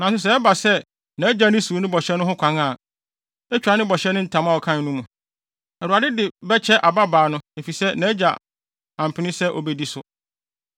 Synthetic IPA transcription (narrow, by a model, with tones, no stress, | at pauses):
nã˨sʊ˦s̬ɛ˨ɛ˦ba˨sɛ˦ | nã˨˦d͡ʑa˨nɪ̃˦su˨˦nʊ̃˦bɔ˨ɕɛ˦nʊ̃˦ɦʊ̃˦kʷʰã˨˦ŋa˦˨ | ɛ˦t͡ɕᶣa˨˦nɪ̃˦bɔ˨ɕɛ˦nɪ̃˦n̩˨tʰã˨m˦a˦˨ɔ˨kʰã˦n˨nũ˦mũ˨ | ɛ˨ɾu˨a˨dɪ˦dɪ˨bɛ˦t͡ɕʰɛ˦ʔa˨ba˦baː˨nʊ̃˦e˨fi˨sɛ˦nã˨˦d͡ʑa˨ | ã˨m̩˨pʰɪ˨nɪ̃˦sɛ˦ʔɔ˨bɛ˦di˨sʊ˨